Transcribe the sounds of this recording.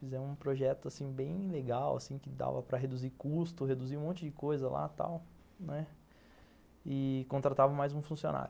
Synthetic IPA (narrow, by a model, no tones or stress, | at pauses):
fizɛmʊ̃ũpɾoʒɛt̪ʊasĩbẽj̃leɡawa̰sĩkɪd̪a̰vɐpɾɐɦed̪uzikust̪ʊɦed̪uziũmõnt͡ʃɪd͡ʒɪkojzɐla̰t̪a̰w | nɛ | ɪkõt̪ɾat̪avɐ̃majzũfũsio̰na̰ɾʊ